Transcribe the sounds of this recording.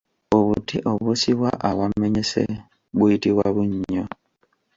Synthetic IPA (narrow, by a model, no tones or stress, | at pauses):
oβutiʔoβusiβwaʔawammeɲesḛ | buitiβwaβuɲo